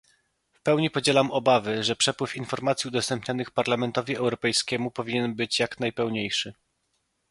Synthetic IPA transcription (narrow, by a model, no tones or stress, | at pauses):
fpɛwɲipɔd͡ʑɛlamɔbavɘʐɛpʂɛpwɘfinfɔɾmat̪sʲjiud̪ɔst̪ɛmpɲanɘxpaɾlamɛnt̪ɔvʲiɛwɾɔpɛjskʲɛmupɔvʲiɲɛnbɘt͡ɕjaknajpɛwɲejʂɘ